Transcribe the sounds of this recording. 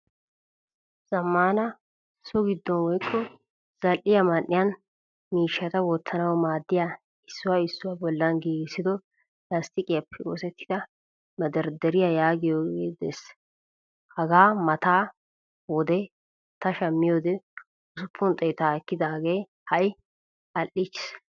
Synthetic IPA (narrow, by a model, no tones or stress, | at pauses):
z̥ɐmːaːnɐ | sɔɡɪd̪ːɔnwɔjkʰːɔ | z̥ɐlʔɪjɐmɐnːɪjɐn | miːʃːɐt̪ɐwɔt̪ːɐnɐwmaːd̪ːɪja | ɪsːʊwaɪsːʊwabɔlːɐnɡeːɡsɪd̪ɔ | lɐst̪ɪkʼɪjɐpʰːɛo̰ːsɛt̪ːɪ̥d̪̥ɐ | mɐd̪ɐɾd̪ɛɾɪjajaːɡɪjoːɡeːd̪ḛs | hɐɡaːmɐt̪aː | wɔd̪ɛ | t̪ɐʃɐmːɪjoːd̪ɛ | ʊsʊpʰːʊnt̪ʼɛjt̪aːɛkːɪd̪aːɡe̞ː | hɐʔɪ | ɐlʔːɪt͡ʃːɪ̥s